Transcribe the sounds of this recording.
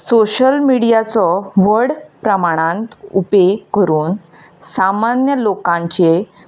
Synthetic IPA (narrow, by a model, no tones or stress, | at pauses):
soɕəlmiɽijat͡sɔʋəɽpɾəmaɽ̃ãnt̪upekəɾuːn | samanjəlokãɲt͡ɕe